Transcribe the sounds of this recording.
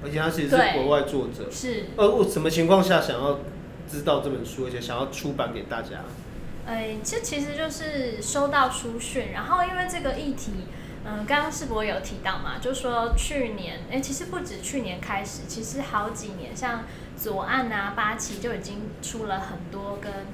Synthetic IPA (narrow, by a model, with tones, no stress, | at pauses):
ə˧˥t͡ɕʰɛ˨˩a˥t͡ɕʰi˧˥ʂ̩˧ʂe˥˩kwɔ˧˥wa˥˧ɪt͡swɔ˥˩ʈ͡ʂɤ̰˨˩˦ʂɻ̩˥˩ə˥˧ɔ˩ʂə˧˥mə˨t͡ɕʰi˧ŋkʰwɑ˥˧ŋɕ̬ja˥˩ɕɑ˨˩ŋjɑ˥˨ʊ | ʈ͡ʂɻ̩˥t̪ɑ˥˧ʊʈ͡ʂɤ˥˩pə˨˩nʂu˥ə˧˥t͡ɕʰɛ˨˥˦ɕjɑ˨˩ŋjɑ˥˩ʊʈ͡ʂʰu˦pa˨˥nke˨˩ɪt̪a̰˥˨t͡ɕja̰˥ | e˥˩ɪʈ͡ʂə˥˩t͡ɕʰi˧˥ʂ̬ɻ̩˧˥t͡ɕjo˥˧ʊʂɻ̩˥˩ʂo˥ʊt̪ɑ˥˨˩ʊʈ͡ʂʰu˥ɕy˥˩nɻa˧˥nxo˥˩ʊi˥nwe˥˧ɪʈ͡ʂɤ˥˩ɡə˩ʔi˥˩t̪ʰi˧˥ | ə˧kɑ˥ŋkɑ˥ŋʂɻ̩˥˩pu˧˥˩jo˧˩ʊt̪ʰi˧˥t̪ɑ˥˩ʊma̰˩t͡ɕjo˥˧ʊ˩ʂwɔ˥t͡ɕʰy˥˩njɛ˧˥ne˥˩t͡ɕʰi˧˥ʂɻ̩˧˦pu˥˩ʈ͡ʂɻ̩˨˩t͡ɕʰy˥˩njɛ˧˥nkʰa˥ɪʂɻ̩˨˩t͡ɕʰi˧˥ʂɻ̩˧˥xɑ˧˥ʊt͡ɕi˨˩njɛ̰˧˥nɕjɑ˥˩ŋ | t͡sɔ˨˩ʔa˥˩na˨˩pa˥t͡ɕʰi˧˥t͡ɕjo˥˩ʊi˨˩t͡ɕi˦ŋʈ͡ʂʰu˥lə˨xə˨˩nt̪wɔ˥kə˦n